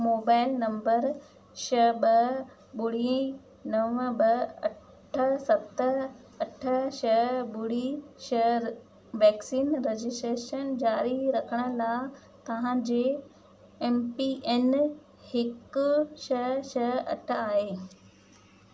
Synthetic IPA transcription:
moːbaːɪlnɐ̃mbəɾ | ʃɐɓɐ | ɓʊɽiə̃i | nɐʋə̃bɐɐ | ʈʰəsɐt̪ə | ɐʈʰəʃɐɓʊɽiʃɐ | ʋɛːksiːnɾed͡ʑɪsʈɾeːʃənd͡ʑaːɾiɾɐkʰəɽ̃ə̆laɪ | t̪ɐʋ̤ãd͡ʑeː | eːmpiʔeːn | hɪkʊʃɐʃɐɐ̰ʈʰaːɦeː

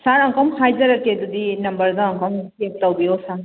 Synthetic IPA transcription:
saɾɐŋkʰɔmhajzɐɾɐkedudinɐmbɐɾdaːŋkɔmkek̚tɐwbijosa

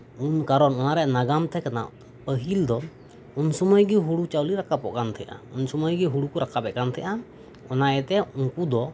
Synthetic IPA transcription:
unkaɾɔnɔnaɾɛʔnaɡamt̪ʰɛkana̰ | pəɦild̪ɔ | unsɔməjɡɛɦuɽut͡ʃawliɾakʰapɔʔkant̪ʰɛʔa̰unsɔməjɡɛɦuɽukɔɾakʰabɛkant̪ʰɛʔa | ɔnaɛt̪ɛuŋkud̪ɔ

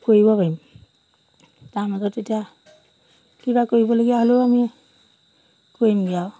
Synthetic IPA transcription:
koibɔbaim | tamaɡɔtetia | kibakoibɔloɡijaɦoloami | koimɡiaw

